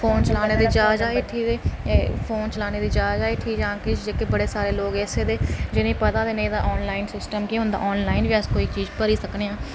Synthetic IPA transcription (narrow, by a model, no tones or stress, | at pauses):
fʰoːnt͡ʃəlaːneːd̪iːd͡ʒaːd͡ʒaːeːʈʰiːkeːfʰoːnt͡ʃəlaːneːd̪iːd͡ʒaːd͡ʒaːeːʈʰiːkd͡ʒãːkɪd͡ʒeːkebəɽeːsaːɾeːloːɡɛːseːd̪eːd͡ʒɪnẽːpət̪aːd̪eːneĩd̪aːʔɔːnlaːɪnsɪsʈəmkiːɦʊ̃nd̪a̰ːʔɔːnlaːɪnʋiːəskoːiːkt͡ʃiːd͡ʒpəɾiːsəkneːãː